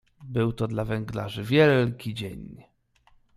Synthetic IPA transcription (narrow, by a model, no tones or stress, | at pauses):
bɘwt̪ɔd̪lavɛŋɡla̰ʐɘvʲjɛlkʲid͡ʑeɲ